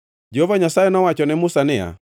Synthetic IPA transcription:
d͡ʒɔvaɲasaɛnawat͡ʃɔnɛmusanɛa̰

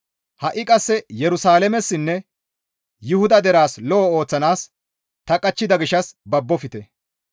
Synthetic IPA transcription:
hɐʔɪkʼɐsːɛjɛɾʊsaːlɛmɛsːɪnːɛ | jʊhʊd̪ɐd̪ɛɾaːslɔɔo̞ːt͡sːɐnaːs | t̪ɐkʼɐt͡ʃːɪd̪ɐɡɪʃɐsbɐbːɔfɪt̪ɛ

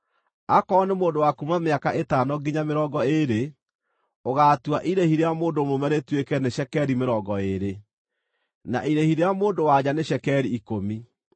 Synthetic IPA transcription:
akɔnemoːndowakumameakaʔetanɔɡiɲameɾɔɡɔeɾe | oɣaːtwaʔiɾehiɾeamoːndomomɛɾetwekɛneʃɛkɛɾimeɾɔɡɔeɾe | na̰ʔiɾehiɾeamoːndowad͡ʑaneɕɛkɛɾiːkomi

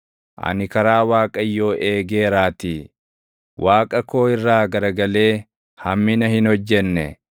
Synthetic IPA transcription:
ʔɐ̰nɪkɐɾaːwaːkʼɐjːo̞ːʔe̞ːɡeːɾaːt̪i | waːkʼɐko̞ːɪrːaːɡɐɾɐɡɐle̞ː | hɐmːɪnɐhɪnhɔd͡ʒːɛnːɛ̰

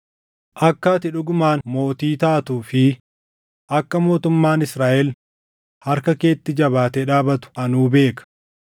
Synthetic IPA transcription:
ʔɐkːaːt̪ɪᶑʊɡʊmaːnmo̞ːt̪iːt̪aːt̪uːfɪ | ʔɐkːɐmo̞ːt̪ʊmːaːnɪsɾaːʔɛl | hɐɾkɐke̞ːt̪ːɪd͡ʒɐβaːt̪ɛᶑaːbɐt̪ʊ̥ɐnuːbe̞ːkɐ̥

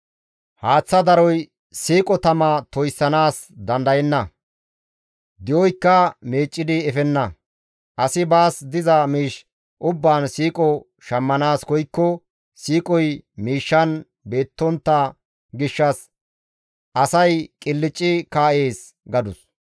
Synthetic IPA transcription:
haːt͡sːɐd̪ɐɾɔj | siːkʼɔt̪ɐmɐt̪ɔjsːɐnaːsd̪ɐnd̪ɐjɛnːɐ | d̪ɪjɔjkːɐmeːt͡ʃʼːɪd̪ɪɛfɛnːɐ | ʔɐsɪbaːsd̪ɪzɐmiːʃ | ʔʊbːaːnsiːkʼɔ | ʃɐmːɐnaːskɔjkːɔ | siːkʼɔjmiːʃːɐn | be̞ːt̪ːɔnt̪ːɐ | ɡɪʃːɐs | ʔɐsɐjkʼɪlːɪt͡ʃʼːɪkaːʔe̞ːs | ɡɐd̪ʊs

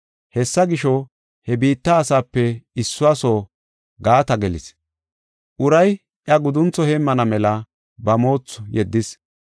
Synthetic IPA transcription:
hɛsːɐɡɪʃɔ | hɛbiːt̪ːɐːsaːpːɛɪsːʊasoː | ɡaːt̪ɐɡɛlɪ̰s | ʔʊɾɐj | ʔjɐɡʊd̪ʊnt͡sːɔheːmːɐnɐmɛlɐ | bɐmo̞ːt͡sːɔjɛd̪ːɪs

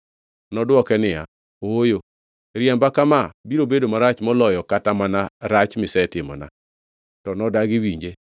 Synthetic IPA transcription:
nɔdwɔkɛnɪja̰ | oojo | ɾjɛmbakamabiɾobedomaɾat͡ʃmɔlɔjɔkatamanaɾat͡ʃmɪsɛtɪmɔ̰na̰ | tɔnɔdaɡɪwiɲd͡ʒe

